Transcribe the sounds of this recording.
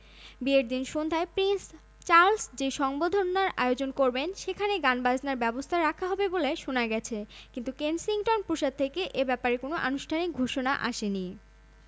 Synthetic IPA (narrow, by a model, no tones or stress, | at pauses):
bieɾd̪inʃond̪ʱaepɾins | t͡ɕaɾlsd͡ʑeʃɔŋbod̪ʱonːaɾa̰eod͡ʑonkoɾbenʃekʰaneɡanbad͡ʑnaɾbɛbost̪ʰaɾakʰaɦɔbeboleʃonaɡɛt͡ɕʰekint̪ukensiŋʈonpuʃad̪̚t̪ʰːekeʔebɛpaɾekonoʔanuʃʈʰanik̚ɡʱoʃonaʔa̰ʃeni